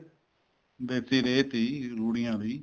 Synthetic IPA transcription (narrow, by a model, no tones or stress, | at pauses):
d̪eːt̪iːɾeeːt̪iːɾuːɽɪjãːd̪iː